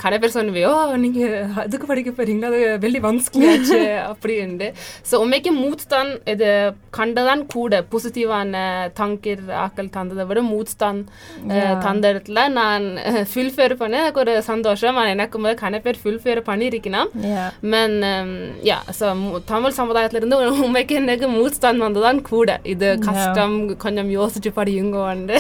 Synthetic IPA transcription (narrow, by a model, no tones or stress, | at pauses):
kɐnɐp̬eːɾsɔnːɯʋiːoːniːŋɡɐɐðɯkːɯpɐɽɪk̬ʲːɯpːɐɾiŋɡɐɐðɯʋɛlːiʋɐnsklijaːt͡ʃːɯɐpːɐɽiɛɳɖ̪ɯsoːɔmːeːkːɯmuːt̪t̪aːnɛðɯ | kʰɐɳɖɐðaːnkʰuːɽɐpɔsɪt̪iʋaːnɐt̪ɐŋkɪɾa̰ːkːɐlt̪ɐnd̪ɐðɐʋɯɽɯmuːt̪t̪aːn | t̪ɐnd̪ɐɽɐt̪ːɪlɐnaːnfɪlfeːɾpɐɳːɯɛnɐkːɯɔɾɯsɐnd̪oːʂɐmaːnɛnɐkːɯmboːðkɐɳɐpːeːɾfɪlfeːɾpɐɳːiɪɾɯkːɪnaːmmɛnja̰ːsoːt̪ɐmɪlsɐmɐðaːjɐt̪ːɪlɐɪɾɯnd̪ɯʊmːɐɪkːɯɛnːɐk̬ːɯmuːt̪st̪aːnʋɐnd̪ɐt̪aːnkʰuːɽɐ̰ʔɪðɯkɐʂʈɐmkɔɲd͡ʒɔmjoːsɪt͡ʃːɯpɐɽɪjɯŋɡoːɐɳɖɯ